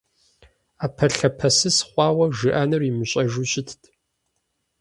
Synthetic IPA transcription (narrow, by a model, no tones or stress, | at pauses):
aːpʰɐɬɐpʰɐsɨsχʷɑːwɐʒɨʔɐnɨrimɨɕʼɐʒuɕʼɪtʰtʰ